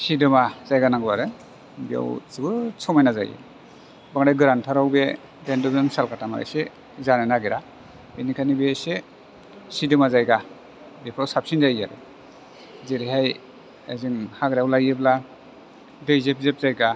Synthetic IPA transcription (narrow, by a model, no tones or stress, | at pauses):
sidɯmazajɡanaŋɡɯwaɾɯ | bia̰wzɯɡɯt͡sʰɔwmajnaza̰jɯ̰ | baŋɾajɡɯɾantʰaɾawbe | dendɔbɯmsalkʰatama̰ɾa̰jse | zanɯnaɡeɾa | ɯnikʰanibease | sidɯmazajɡa | bepʰɾawsap̚sinzaja̰ɾɯ̰ | zeɾiɦaj | a̰ziŋhaɡɾawlajɯbla | dɯjzep̚zep̚zajɡa